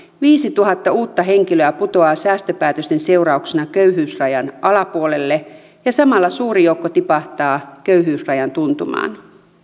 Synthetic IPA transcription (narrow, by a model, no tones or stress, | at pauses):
ʋiːsit̪uɦɑt̪ːɑuːt̪ːɑɦe̞ŋk̟iløæput̪o̞ɑːsæːst̪øpæːt̪øst̪ense̞uɾɑuksenɑkøɥɦyːsrɑjɑnʔɑlɑpuole̞lːe | jɑsɑmɑlːɑsuːɾijoukːot̪ipɑht̪ɑːkøyɦyːsrɑjɑnt̪unt̪umɑ̰ːn